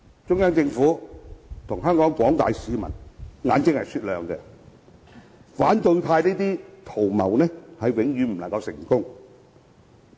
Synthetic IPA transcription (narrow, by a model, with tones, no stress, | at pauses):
t͡ʃʊ˥ŋjaː˥ŋt͡sɪ˧ŋfuː˨˥t̪ʰʊ˨˩ŋɦœː˥ŋkɔː˨˥ŋkʷɔː˨˥ŋt̪aː˨jsiː˨˧mɐ̰˨˩nŋa̰ː˨˧nt͡sɪ˥ŋhɐ˨˩jsyː˧t̚lœː˨ŋkɛ˧ | faː˨˥nt̪ɵ˧ɥt̪ʰaː˧jneː˥t̪iː˥t̪ʰo˨˩wmɐ̰˨˩wnɛ˥hɐ˨jwɪ˨˧˥ŋjyː˨˧m̩˨˩laɐ˨˩ŋkɐ˧wsɪ̰˨˩ŋkʊ˥ŋ